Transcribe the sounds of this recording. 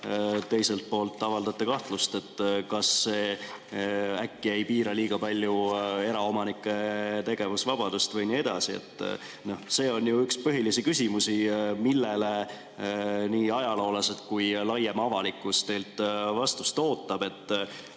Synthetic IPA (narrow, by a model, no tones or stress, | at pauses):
t̪ːe̞jse̞lt̪̚po̞ːlt̪ːɑvɑld̪ɑt̪ːˑekɑht̪lust̪e̞t̪ːkɑsːe̞ː | ækːiejpiːɾɑliːɡ̥ɑpɑlʲːjue̞ɾɑo̞mɑnikːˑe̞t̪e̞ɡ̥e̞vusvɑb̥ɑd̪̥ust̪vɤjnie̞d̪̥ɑsiḛt̪ːˑ | no̞hse̞ːo̞njuykspɤɦilisikysʲimusimilːe̞le | niːɑjɑlo̞ːlɑset̪̚kujlɑjemɑvɑlikːˑust̪e̞jlt̪ːˑvɑst̪ust̪o̞ːt̪ːˑɑb̥e̞t̪ːˑ